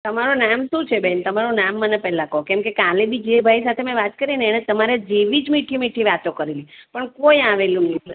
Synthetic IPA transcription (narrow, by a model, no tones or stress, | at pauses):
t̪əmaɾunamʃũt͡ʃʰebɛnt̪əmaɾunamːənepɛɦlãkəɦõkɛ̃mkekalebid͡ʒebʱaisat̪ʰemɛ̃ʋat̪kəɾineːɽ̃ẽt̪əmaɾed͡ʒeʋid͡ʒmiʈʰimiʈʰiʋat̪okəɾelipəɳkoiaʋelũni